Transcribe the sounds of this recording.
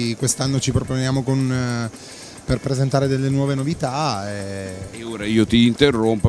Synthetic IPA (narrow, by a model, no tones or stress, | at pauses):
kwest̪anːot͡ʃipɾoponjaːmokon | perpɾezent̪aːɾed̪elːenwɔːvenovit̪aɛeoːɾaiːot̪iːnt̪erːompo